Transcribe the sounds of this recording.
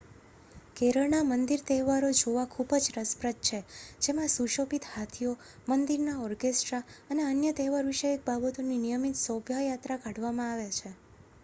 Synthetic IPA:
keɾəɭɳamənd̪iɾt̪ɛɦʋaɾod͡ʒoʋakʰubəd͡ʒɾəspɾət̪̚t͡ʃʰed͡ʒemãsuʃopit̪hat̪ʰijo | mənd̪iɾnaɔɾkesʈɾaəneənjət̪ɛɦʋaɾʋiʃəek̚babət̪oninijəmit̪sɔbʱjajat̪ɾaɡʱaɖʋamãaʋjat͡ʃʰe

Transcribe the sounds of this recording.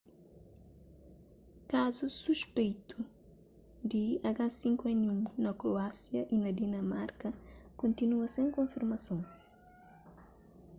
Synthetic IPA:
kazusuʃpejt̪ʰu | d̪iɐɡasĩŋkwɛnũnɐkɾoasjɐʔinɐd̪inɐmaɾkɐkõnt̪inuɐsẽŋkõfiɾmɐsõw

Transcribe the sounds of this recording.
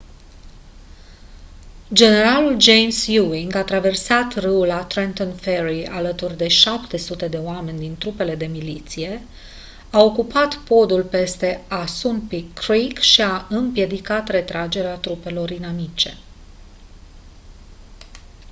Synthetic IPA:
d͡ʒe̞ne̞ɾaluld͡ʒe̞jmsjuiŋɡat̪ɾave̞rsat̪rɨulat̪ɾent̪onfeɾia̰lət̪urʲd̪e̞ʃapt̪e̞sut̪e̞d̪e̞oame̞nʲd̪int̪ɾupe̞le̞d̪e̞milit̪sije̞ | ao̞kupat̪po̞d̪ulpe̞st̪e̞asunpikɾikʃiaɨmpje̞d̪ikat̪re̞t̪ɾad͡ʒe̞ɾeat̪ɾupe̞lo̞ɾinamit͡ʃe̞̥̰

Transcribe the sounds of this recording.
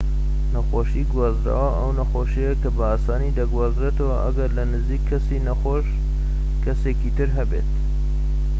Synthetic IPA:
nɐxoʃiɡwɑːzɾa̰ːwɐʔɐwnɐxoʃejekɐbɐaːsɑːnid̪ɐɡwɑːzɾet̪ɐwɐʔɐ̰ɡɐɾlɐnɨziːkʰːɐsinɐxoʃ | kʰɐseːkit̪ɨɾɦɐbḛt̪̚

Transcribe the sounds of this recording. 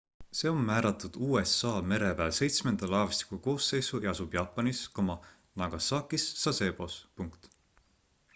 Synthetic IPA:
se̞ːo̞mːæːɾɑt̪ːˑud̪̥uːe̞sːɑːme̞ɾe̞pæːlse̞jt̪sme̞nd̪̥ɑlɑːvɑst̪i̥kuko̞ːse̞jsujɑɑsub̥jɑːpːˑɑniskomɑ | nɑɡ̥ɑsɑːkːisːɑse̞ːb̥o̞spuŋkt̪

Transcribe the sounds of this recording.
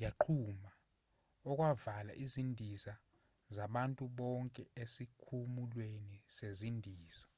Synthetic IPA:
jaǃʰuma | ɔk̬ʼwavala̰ʔizindʱiza | zaɓantʼuɓɔŋkʼɛesikʰumulwenisezindʱiːsḁ

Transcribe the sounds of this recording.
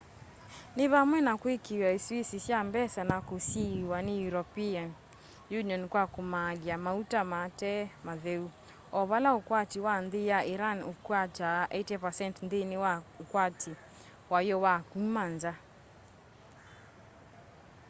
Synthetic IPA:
niβamwɛnakwikiwaiswisisjambɛsanakusiwanijuɾɔpian | juniɔnkwakumaliamautamatɛmaðɛu | ɔβalaukwatiwandijaiɾanukuat͡ʃaʔɛtɛpasɛntndiniwaukwatʰi | wajɔwakumand͡ʒa

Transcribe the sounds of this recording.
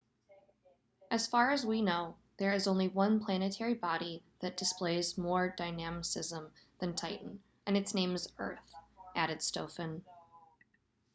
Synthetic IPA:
ʔɨz̥fɑɹɨzwinoʊ | ðə˞ɨzõʊ̃nliwʌ̃npʰl̥ænɨtʰɛɹibɑɾiðɨt̚d̥ɨspleɪzmɔɹdaɪnæmɨsɪzə̃mðɨ̃ntʰaɪʔn̩ | ʔɨ̃nɨtsnẽɪ̃mzɜ̰˞θʔæɾɨd̥stoʊfɨ̃n

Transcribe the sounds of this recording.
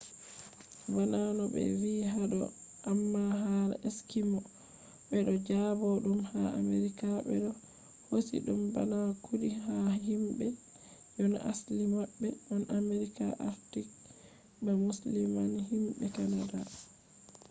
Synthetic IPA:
bananɔbɛ̰wiɦaɗɔ̰ʔamːaɦaɾeskimɔ | ɓɛɗɔd͡ʒabɔɗumhaameɾikaɓɛ̰ɗɔ | hosḭɗumba̰nakʰudihahimbɛ | jɔn̰ʔa̰slimabːɛmanʔameɾikaʔaftik̚ | bɛmuslimanhimbɛkanada

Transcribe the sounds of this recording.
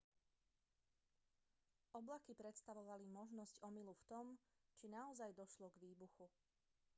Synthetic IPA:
ʔɔblakipɾɛt̪st̪aʋɔʋalimɔʒnɔscɔmiluft̪ɔmt͡ʃinaɔzajd̪ɔʃlɔɡʋiːbuxu

